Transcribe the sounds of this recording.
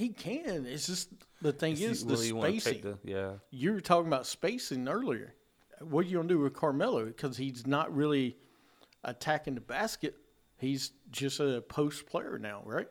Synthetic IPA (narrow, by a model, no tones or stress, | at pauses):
hikʰɨ̃nɪtsd̥ʒ̥ʌsðɨθɪ̃ŋɪzðɨspeɪsɪ̰̃ŋjæjə˞tʰɔkɪ̃ŋəbaʊtspeɪsɪ̃ŋɜ˞lˠiə̰˞ | wʌt͡ʃɨɡõndɨwɨð̥kʰɑɹmɛlˠoʊkʰʌz̥hiznəʔ̚ɹɪlˠi | ʔɨ̰tʰækɪ̃ŋðɨbæskɨt̚ | hizd͡ʒʌstɨpʰoʊspʰl̥eɪə̰˞naʊɹaɪt̚